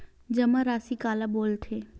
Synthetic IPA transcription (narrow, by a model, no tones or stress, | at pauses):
d͡ʒəmaɾaːsikaːlaboːlt̪ʰeː